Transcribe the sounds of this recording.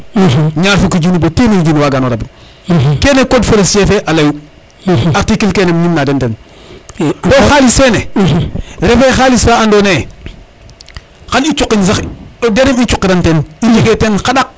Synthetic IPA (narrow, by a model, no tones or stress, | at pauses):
ɲaɾfukid͡ʒuniboteniid͡ʒuniwaɡanoɾabi | keːnekodfolesjefeʔalaju | aɾtikilkeːnemɲinːadenten | boxalisene | ɾefexalisaandone | xanit͡ʃukːins̬axdeɾimit͡ʃukːiɾantenid͡ʒiketenxaɗak̚